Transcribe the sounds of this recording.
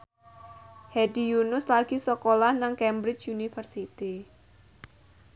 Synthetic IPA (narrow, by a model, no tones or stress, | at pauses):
hɛdijunʊslaɡ̥isokolahnaŋkɛmbɾɪt͡ʃunifərsit̪i